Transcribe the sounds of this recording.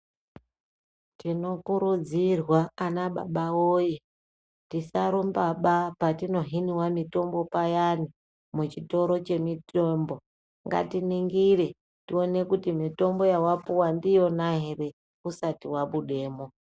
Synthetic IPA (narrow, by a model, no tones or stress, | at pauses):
tino̞kuɾud͡zirwaːnaɓa̰ɓawoje | tisaɾumbaɓapatino̞ɦiniwamito̞mbo̞pajani | mut͡ʃito̞ɾo̞t͡ʃe̞mitombo̞ | ŋɡa̰tiniŋɡire̞ | tio̞ne̞kutimito̞mbo̞jawapuwandijo̞naɦere̞ | usatiwaɓuɗe̞ːmo